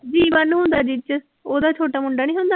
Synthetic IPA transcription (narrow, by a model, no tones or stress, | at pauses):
d͡ʒiːʋənɦʊ̃ːnd̪aːd͡ʒit͡ʃ | oːd̪aːt͡ʃʰoːʈaːmʊɳɖaːnĩːɦʊ̃ːnd̪aː